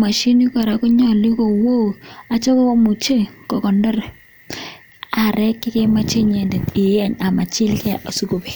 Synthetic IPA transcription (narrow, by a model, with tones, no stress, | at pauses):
ma˨ʃi˦ni˦ka˨ɾa˨kɔ˦ɲɔ˦˨li˦ko˨wo˦˨a˨t͡ʃɔ˦ko˦ko˦mu˨t͡ʃe˦kɔ˨kɔ˨ndɔ˦ɾ | a˨ɾɛ˦kːɪ˦ke˦ma˦t͡ʃe˦ɲe˨nde˨tɪ˨˦a˦ɲa˨ma˨t͡ʃɪ˦lkɛ˦ʔa˨su˦ko˨be˨